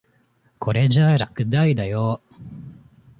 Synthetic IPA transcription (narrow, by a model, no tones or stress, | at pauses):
kʰo̞ɾed͡ʑaːɾakɯ̟d̪aid̪ajo